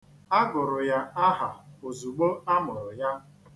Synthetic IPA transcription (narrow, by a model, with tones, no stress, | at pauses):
a˦ɡʊ˨ɾʊ˨ja˦a˦ɦa˨o˨zu˨ɡ͡bo˦a˦mʊ˨ɾʊ˨ja˦